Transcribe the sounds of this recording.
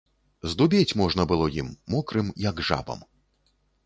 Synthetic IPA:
zd̪ubʲet͡sʲmɔʐnɐbɨlˠɔjimːɔkɾɨmjɐɡʐa̰bɐ̰m

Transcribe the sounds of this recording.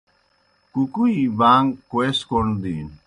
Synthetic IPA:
kukuibaŋkweskond̪in

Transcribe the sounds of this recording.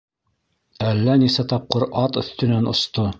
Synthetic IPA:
ælːænisæt̪ɑp̚qɤɾɑt̪ɵ̆θt̪ɵ̆nænŏ̰st̪o

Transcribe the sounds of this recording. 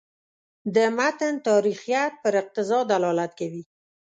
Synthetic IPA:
d̪əmat̪ənt̪ɑɾixjat̪̚pəɾɪq̚t̪ɪzɑd̪alɑlat̪kawi

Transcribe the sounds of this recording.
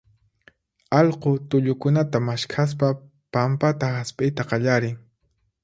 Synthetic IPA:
ɑʎqot̪ʊʎʊkʊnat̪amaʃkʰas̬pa | pampat̪ahaspʼɪjt̪aqɑʎaɾɪŋ

